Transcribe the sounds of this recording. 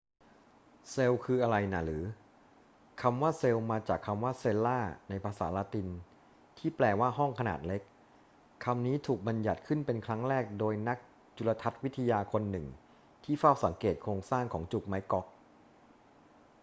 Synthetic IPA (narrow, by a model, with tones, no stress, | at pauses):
se˧wkʰɯː˧ʔa˧ɾa˧jna˦˩ɾɯː˩˦ | kʰa˧mwaː˥˩se˧wmaː˧t͡ɕaː˨˩kʰːa˧mwaː˥˩se˧lːaː˥˩na˧jpʰaː˧sa̰ː˩˦laː˧˥t̪i˧n | t̪ʰiː˥˩plɛː˧˩waː˥˩ɦɔ˥˩ŋkʰa˧na̰ː˨˩t̪̚le˦˥k̚ʰː | a˧mniː˦˥t̪ʰuː˨˩k̚ba˧nja˨˩t̪̚kʰɯ˥˩npe˧nkʰɾa˦˥ŋɾɛː˥˩k̚doː˧jna˦˥k̚ | t͡ɕu˧la˧t̪ʰa˦˥t̪̚wi˦˥t̪ʰːa˧jaː˧kʰo˧nːɯ˨˩ŋ | t̪ʰiː˥˩faː˥˩wsa˩˦ŋkeː˨˩t̪̚kʰɾoː˧ŋsaː˥˩ŋkʰɔː˩˦ŋt͡ɕu˨˩k̚ma˦˥jkɔ˦˥k̚